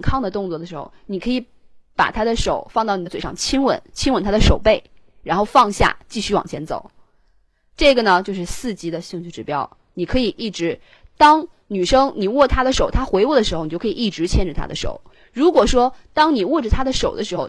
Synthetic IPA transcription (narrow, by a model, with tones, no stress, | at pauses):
nkʰɑ˥˧ŋd̪ə˩t̪ʊ˥˧ŋt͡swɔ˥˩d̪ə˩ʂɻ̩˧˥xo̰˥˧˩ʊni˨˩kʰɤ˧˥i˧˥ | pa̰˨˩t̪ʰa˥d̪ə˨ʂo˨˩˦ʊfɑ˥˧ŋt̪ɑ˥˩ʊn˨˩t͡swe˧˩ʂɑ̰˥˩ŋt͡ɕʰi˥nwə̰˧˥nt͡ɕʰi˥nwə˧˥˩nt̪ʰa˥d̪ə˧ʂo˨˩ʊpe˥˩ɪ | ɻa˧˥nxo˥˧ʊfɑ˥˧ŋɕja̰˥˧t͡ɕi˥˩ɕy˥wɑ̰˨˩ŋt͡ɕʰɛ˧˥nt͡so̰˨˩˦ʊ | ʈ͡ʂɤ˥˩ɡə˩nə˩t͡ɕjo˥˧ʊʂɻ̩˥˧sɹ̩˥˩t͡ɕi˧˥d̪ə˨ɕi˥˧ŋt͡ɕʰy˥˩ʈ͡ʂɻ̩˧˩pjɑ˥ʊ | ni˨˩kʰɤ˧˥i˨˩ʔi˥˩ʈ͡ʂɻ̩˧˥ | t̪ɑ˥ŋ | ny˨˩ʂɤ˥ŋni˨˩wɔ˥˩t̪ʰa˥d̪ə˨˩ʂo˨˩ʊt̪ʰa˥xwe˧˥ɪwu˥˩d̪ə˩ʂɻ̩˧˥xo˥ʊn˨˧˥kʰi˩i˥˩ʈ͡ʂɻ̩˧˥t͡ɕʰjɛ˥˧nʈ͡ʂə˨˩t̪ʰa̰˥d̪ə˧ʂo̰˨˩˦ʊ | ɻu˧˥kwɔ˨˩ʂwɔ˥t̪ɑ˥ŋni˨˩wɔ˥˩ʈ͡ʂə˩t̪ʰa˥d̪ə˨ʂo˨˩ʊd̪ə˦ʂɻ̩˧˥xo˧ʊ